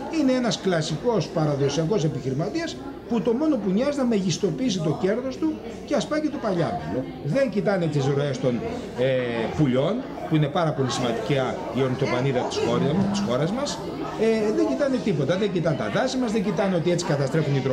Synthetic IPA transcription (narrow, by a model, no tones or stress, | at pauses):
ineenɐsklɐsiko̞spɐɾɐðo̞siɐko̞se̞piçiɾimɐt̪iɐs | put̪o̞mo̞no̞puɲɐznɐme̞ʝist̪o̞piis̬it̪o̞ce̞ɾðo̞st̪u | ceɐspɐcet̪opɐʎɐ̰melo | ðe̞ɲɟit̪ɐnet̪izɾo̞e̞st̪o̞n | epuʎo̞n | puine̞pɐɾɐpo̞lisimɐnd̪iceɐ | ioɾnst̪o̞pɐniðɐt̪i̥sxoɾt̪i̥sxo̞ɾɐzmɐs | eðeɲɟit̪ɐne̞t̪ipo̞t̪ɐðe̞ɲɟit̪ɐnt̪ɐ̰ðɐsimɐzðeɲɟit̪ɐneo̞t̪ie̞t͡si̥kɐt̪ɐst̪ɾe̞funit̪ɾo